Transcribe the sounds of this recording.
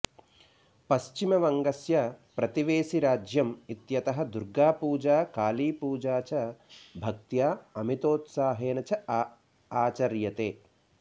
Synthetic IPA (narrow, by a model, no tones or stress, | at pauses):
pɐʃt͡ʃimɐʋɐŋɡɐsjɐpɾɐt̪iʋeːsiɾaːd͡ʒjɐmit̪jɐt̪ɐɦɐd̪uɾɡaːpuːd͡ʒaːkaːliːpuːd͡ʒaːt͡ʃɐbʱɐk̚t̪jaːɐmit̪oːt̪saːɦeːnɐt͡ʃɐ | aːt͡ʃɐɾjɐt̪eː